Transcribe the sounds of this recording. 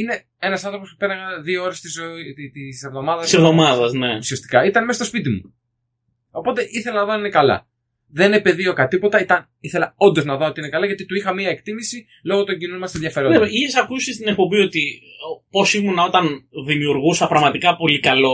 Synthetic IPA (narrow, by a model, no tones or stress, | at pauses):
ine̞ | e̞nɐsɐnθɾopospupenɐɣɐðioo̞ɾest̪izot̪ise̞vðo̞mɐðɐsisevðo̞mɐðɐsneusiɐst̪i̥kɐit̪ɐnmest̪ospit̪imṵ | o̞po̞t̪e̞ʔiθe̞lɐnɐðoinekɐlɐ̰ | ðe̞nepe̞ðio̞kɐt̪ipo̞t̪ɐit̪ɐn | iθe̞lɐo̞nd̪o̞znɐðoo̞t̪iine̞kɐlɐʝɐt̪it̪uixɐmiɐekt̪imisi | lo̞ɣo̞t̪o̞ɲɟinonmɐst̪ɐnðʝɐfe̞ɾoneiesɐkusist̪inek̚po̞bio̞t̪iopo̞simunɐo̞t̪ɐnðimiuɾɣusɐpɾɐɣmɐt̪ikɐpo̞likɐlo̞